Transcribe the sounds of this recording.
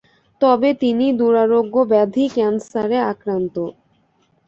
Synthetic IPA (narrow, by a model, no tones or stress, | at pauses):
t̪ɔbet̪inid̪uɾaɾoɡːobɛd̪ʱikɛnsaɾeakɾant̪o